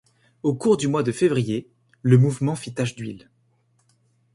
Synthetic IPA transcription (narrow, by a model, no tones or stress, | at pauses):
okuʁd̪ymwad̪əfevʁije | ləmuvmɑ̃fit̪aʒd̪ɥḭl